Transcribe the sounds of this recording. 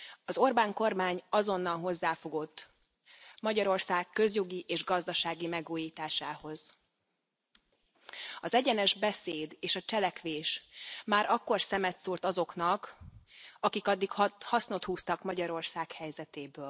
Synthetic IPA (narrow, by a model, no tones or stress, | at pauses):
ɒzo̞rbaːŋko̞rmaːɲɒzo̞nːɒnɦo̞zːaːfo̞ɡo̞t̪ː | mɒɟɒɾo̞rsaːkːø̞zjo̞ɡiʔeːʒɡɒzd̪ɒʃaːɡimɛɡuːjiːt̪aːʃaːho̞z̥ | ɒzɛɟɛnɛʒbɛseːd̪eːʃɒt͡ʃɛlɛkʋeːʃmaːɾʔɒkːo̞rsɛmɛt̪suːrt̪ɒzo̞kn̪ɒk | ɒkikɒd̪ːikhɒsno̞t̪huːst̪ɒkmɒɟɒɾo̞rsaːkhɛjzɛt̪eːbøːl